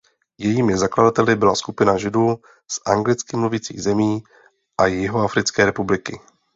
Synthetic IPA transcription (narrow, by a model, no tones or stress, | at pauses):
jɛjiːmɪzakladat̪ɛlɪbɪlaskupɪnaʒɪduː | sʔaŋɡlɪt͡skɪmluvit͡sḭːɣzɛmiː | ʔajɪɦoafɾɪt͡skɛːɾɛpublɪkɪ